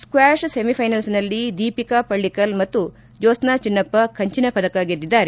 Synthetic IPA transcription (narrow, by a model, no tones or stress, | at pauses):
skwaːʂsemipʰɐjnɐlsnɐlːid̪iːpikapɐɭːikɐlmɐt̪ːu | d͡ʒoːsnaːt͡ʃinːɐpːɐkʰɐɲt͡ʃinɐpɐd̪ɐkaːɡid̪ːid̪ːaːɾe